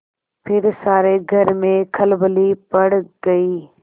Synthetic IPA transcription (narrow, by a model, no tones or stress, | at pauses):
pʰɪɾsaːɾeɡʱɐɾmẽkʰəlblipɐɽɡɐiː